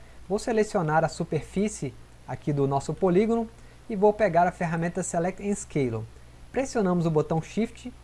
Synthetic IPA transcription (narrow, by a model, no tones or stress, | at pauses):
vowselesionaɾɐsupeɾfisɪ | akid̪ʊnɔsʊpoliɡonʊ | ɪvowpeɡaɾɐfeɦamẽnt̪ɐselɛk̚t̪ẽj̃skejlo̰ | pɾesiõnɐ̃mʊzʊbot̪ɐ̃w̃ʃift͡ʃɪ